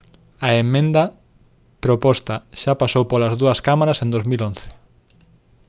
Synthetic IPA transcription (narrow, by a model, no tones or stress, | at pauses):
ɐemẽnd̪ɐ | pɾopɔst̪ɐʃapasowpolɐzðuɐskamaɾɐsẽnd̪ozmilonθɪ̥